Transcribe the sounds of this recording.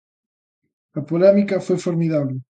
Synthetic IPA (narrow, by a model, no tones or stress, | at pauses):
ɐpolɛmikɐfojfoɾmiðaβlɪ